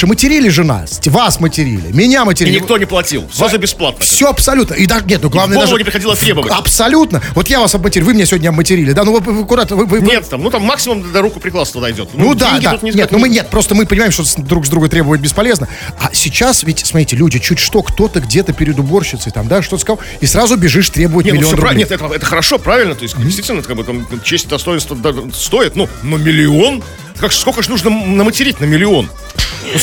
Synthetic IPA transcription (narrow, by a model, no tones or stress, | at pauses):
ɨmətʲɪɾʲilʲɪʐɨna̰sʲtʲvasmətʲɪɾʲḭlʲɪ̰mʲɪnʲamətʲɪɾʲinʲɪt̪onʲɪplˠɐtʲilˠsazɨbʲɪsplˠat̪nffssʲoɐpsɐlʲut̪nəʔid̪aʐnʲet̪nuɡlˠavnəɡd̪aʐˠvənʲɪpɾɪxɐdʲilˠəɐt̪ɾʲebəvəɐpsɐlʲut̪nəvo̞t̪javasɐbmətʲɪɾʲuvɨmʲɪnʲasʲɪvodʲnʲəɐbmətʲɪɾʲilʲɪd̪anovot̪ːkʊd̪at̪əvɨvɨnet̪ːamnut̪amːaksʲɪmʊmd̪ɐɾukʊpɾʲɪklˠast̪əd̪ɐjdʲo̰t̪nnud̪ad̪ʲaut̪nʲɪznʲet̪nomɨnʲet̪̚pɾo̞st̪əmɨpənʲɪmaɪmʂt̪osd̪ɾuɡzd̪ɾuɡət̪ɾʲe̞bəvəjɪt̪bʲɪspɐlʲe̞znə | ɐsʲɪt͡ɕasvʲɪtʲsmɐt̪ɾʲitʲɪlʲudʲɪt͡ɕutʲʂt̪o̞kt̪o̞t̪əɡdʲe̞t̪əpʲɪɾʲɪd̪ʊbo̞rɕɪt̪səɪt̪amd̪aʂt̪oəskɐ | isɾazʊbʲɪʐɨʂt̪ɾʲe̞bʊjɪnʲemɪlʲɪoonɾʲnʲet̪ɛt̪əɛt̪əxəɾɐʂo̞pɾavʲɪlʲnət̪o̞ɪsʲtʲd̪ʲɪst̪vʲitʲɪlʲnəkaɡbɨt̪amt͡ɕesʲtʲd̪ɐst̪oɪnst̪vəd̪st̪o̞ɪt̪nunəmʲɪlʲɪo̞n | kakskokəʂnuʐnənəmətʲɪɾʲitʲnəmʲɪlʲɪo̞n | o